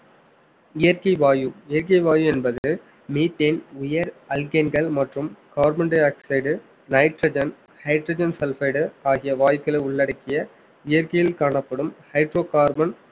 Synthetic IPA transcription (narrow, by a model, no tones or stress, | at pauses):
ɪjɐɾkɐɪʋaːjɯɪjɐɾkɐɪʋaːjɯɛnbɐðɯɯ | miːt̪ːenʊjɐɾɐlɡɐnɡɐɭmɐʈrɯmkaːɾbɐɳɖeaːksɐɪɽɯ | nɐɪʈrɐd͡ʒɐn | hɐɪʈrɐːd͡ʒɐnsɛlfɐɪɽɯaːɣɪjɐʋaːjkːɐɭɐɪʊɭːɐɽɐkːɪjɐ | ɪjɐɾkɐjɪlkaːɳɐpːɐɽɯmhɐɪʈroːkaːɾbɐn